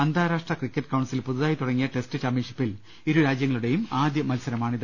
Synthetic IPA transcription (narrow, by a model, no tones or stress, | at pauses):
ɐnd̪ʱaːɾaːʂʈrɐkrikʲːɐʈːkɐwɳɖsilpuðuðaːjit̪uɽɐŋːijɐʈe̞stɨt͡ɕaːmjinʂi̥pːil | iɾuɾaːd͡ʑjɐŋːɐɭuɽe̞jumaːd̪jɐmɐlsɐɾɐmaːɳiðɨ